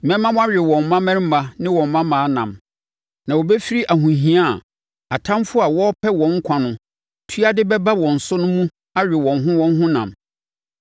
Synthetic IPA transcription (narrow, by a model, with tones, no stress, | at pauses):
mɛ̃˦mã˦m˦a˦ɥᶣɪ˨wɔ̃˨m˦mã˦mɛ̃˦ɾm̩˦ma˦nɪ̃˦wɔ̃˨m˨mã˦mãː˨˦nã̰˨m | nã˨wo˨bɛ˦fi˦ɾi˦ʔa˨ɦũ˨ɦĩ˨˦a˦˨ | a˨tʰã˦mfʊ˦a˨wɔ˦pʰɛ˦wɔ̃˨ŋ̩˦kʷʰã˨nʊ̃˦ | tʰu˦a˦dɪ˦bɛ˦ba˦wɔ̃˨n̩˨sʊ˦nʊ̃˦mũ˦ | a˦ɥᶣɪ˨wɔ̃˨nɦʊ̃˦wɔ̃˦n˦ɦʊ̃˦nã̰˨m